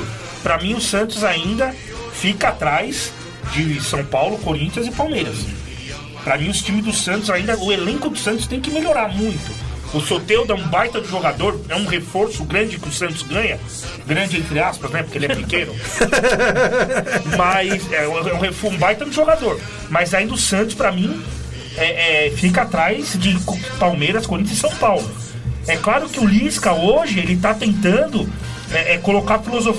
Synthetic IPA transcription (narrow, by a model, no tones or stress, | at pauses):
pɾɐmĩʊsɐ̃nt̪ʊzaĩnd̪ɐ | fikɐat̪ɾajz | d͡ʒɪsɐ̃w̃pawlʊkoɾĩnt͡ʃiɐzɪpawmejɾɐs | pɾɐmĩʊst͡ʃĩmɪzd̪ʊsɐ̃nt̪ʊzaĩnd̪ɐʊelẽŋkʊd̪ʊ̥sɐ̃nt̪ʊ̥st̪ẽj̃kɪmeʎoɾaɾmũj̃t̪ʊʊsot̪ewd̪ʊɛũbajt̪ɐ̃d̪ʊʒoɡad̪oɾɛũɦefoɾsʊɡɾɐ̃d͡ʒɪkɪʊsɐ̃nt̪ʊzɡɐ̃ɲɐ | ɡɾɐ̃nd͡ʒɪẽnt̪ɾɪaspɐznɛpʊɾkelɪɛɛpɪkẽnʊ | mɐsɛ̃ɛũhefũbajt̪ɐ̃d̪ɪʒoɡad̪oɾ | mɐzaĩd̪ʊsɐ̃nt̪ʊ̥spɾɐmĩ | ɛʔɛfikɐat̪ɾajzd͡ʒɪk | pawmejɾɐskoɾĩʊzɪ̃sɐ̃w̃pawlʊ | ɛklaɾʊkɪʊlĩskɐoʒɪelɪt̪at̪ẽnt̪ɐ̃nd̪ʊ | ɛʔɛkolokaɾfilozof